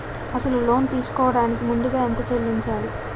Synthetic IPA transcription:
ɐsɐlulo̞ːnt̪iːsu̥kɔːʋɐɽaːnikimund̪uɡaːent̪ɐt͡ʃeɭːiɲt͡ʃaːɽi

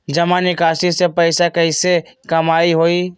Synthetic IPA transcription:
d͡ʒəmãnɪkaːsisepəɪsakəɪsekɐmaːiɦoːi

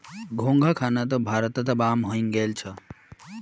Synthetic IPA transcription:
ɡʱõŋɡʱakʰanat̪̬ɔbʱaːɾt̪ɔt̪ɔbaːmɦoiŋɡelt͡ʃʰʌ

